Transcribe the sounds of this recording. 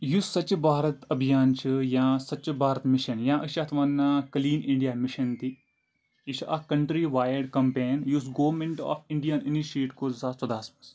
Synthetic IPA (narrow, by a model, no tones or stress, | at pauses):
jusɐt͡ʃbaːɾɐt̪ɐbʱijaːnt͡ʃʰɨjãːsɐt͡ʃːbaːɾɐt̪miʃɐnjãːʔəʃat̪ʰʋɐnːakɐliːnɪ̃ɳɖijaːmiʃɐnt̪i | jit͡ʃʰɐkɐɳʈɾiʋaːjɐɖkɐmpeːnjusɡoːɾmeɳʈa̰ːfɪɳɖijaːniniʃeːʈkoːzaːst̪ɐd̪aːsmɐs